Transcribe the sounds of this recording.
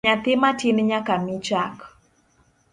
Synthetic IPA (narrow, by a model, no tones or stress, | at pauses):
at̪ɪmatinɲakamit͡ʃak